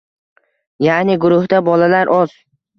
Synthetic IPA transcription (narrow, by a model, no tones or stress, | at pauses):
janɪɡʊɾʊhd̪abɒlalaɾʔɒz̥